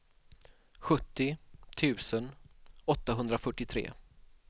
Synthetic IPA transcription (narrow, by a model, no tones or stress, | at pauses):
ɧɵt̪ːɪt̪ʰʉ̟ːsənɔt̪ːaɦɵnd̪ɾafœʈːɪt̪ʰɾḛː